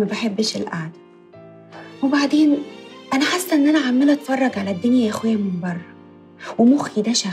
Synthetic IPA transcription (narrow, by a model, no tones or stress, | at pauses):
mæbaħebːeʃelʔa̰ʕd̪æ̥ | webaʕd̪eːnʔænæħasːæʔenːʔænæʕamːelʔæt̪fɑrˤːɑɡʕalæd̪ːenjæʔexwejæmembɑrˤːɑ | wemoxjid̪æʃæ